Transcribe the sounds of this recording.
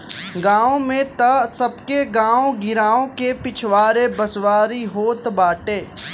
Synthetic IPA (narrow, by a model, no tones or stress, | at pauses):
ɡãːõmẽt̪ɐsɐbkeɡãːõɡɪɾaːõkepɪt͡ʃʰwaːɾebɐswaːɾiɦoːt̪baːʈeː